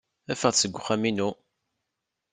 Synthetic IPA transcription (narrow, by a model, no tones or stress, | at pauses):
æfəʁsəɡʷːχæminu